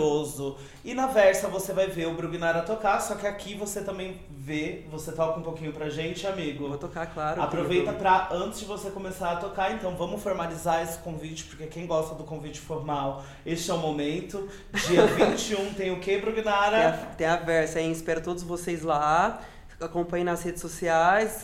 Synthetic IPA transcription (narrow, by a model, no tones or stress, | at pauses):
ozʊ | ɪnɐvɛɾsɐvosevajveʊbɾuɡinaɾɐt̪okasɔkɪakʰivoset̪ɐ̃mbẽj̃ | vevoset̪ɔkɐũpokĩɲʊpɾɐʒẽnt͡ʃɪamiɡʊvot̪okaklaɾʊapɾɾovejt̪ɐpɾɐɐ̃nt͡ʃɪzd͡ʒɪvosekõmesaɾɐt̪okaẽnt̪ɐ̃w̃vɐ̃mʊsfoɾmalizaɾesɪ̥kõvit͡ʃɪ̥poɾkekẽj̃ɡɔst̪ɐd̪ʊkõvit͡ʃɪ̥foɾmaw | est͡ʃɪɛʊ̃momẽnt̪ʊ | d͡ʒiɐṽt͡ʃɪũt̪ẽj̃ʊkebɾuɡinaɾɐ̃t̪ẽj̃ɐvɛɾsɐɛ̃ɪspɛɾʊt̪od̪ʊzvosezla | akõpɐ̃ɲɪnɐzhed͡ʒɪsosiajs